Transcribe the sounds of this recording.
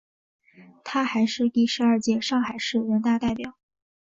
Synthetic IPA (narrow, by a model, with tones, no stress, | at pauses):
t̪ʰa˥xa˧˥ɪʂɻ̩˥˧t̪i˥˩ʂɻ̩˧˥ɐ˞˥˧t͡ɕjɛ˥˧ʂɑ˥˩ŋxa˨˩ɪʂɻ̩˥˩ɻə˧˥nt̪a˥˧t̪a˥˩ɪpjɑ˨˩˦ʊ